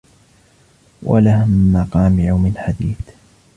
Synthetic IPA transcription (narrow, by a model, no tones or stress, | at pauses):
wʔa̰lahmɑqɑːmjawmɪlħad̪iːθ